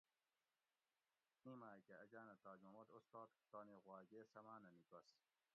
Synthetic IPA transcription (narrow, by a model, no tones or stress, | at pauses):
imaːkeɐd͡ʑaːnɐt̪aːd͡ʑmɐmɐd̪ost̪aːt̪t̪aːneɣwaːɡeːsɐmaːnɐnikɐs